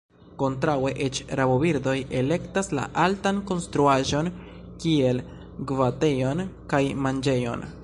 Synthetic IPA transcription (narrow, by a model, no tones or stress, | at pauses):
ko̞ntɾawe̞ʔet͡ʃɾabobiɾdo̞je̞le̞ktasla̰ʔaltanko̞nstɾuaʒo̞n | kie̞l | ɡvate̞jo̞nkajmand͡ʒe̞jo̞̰n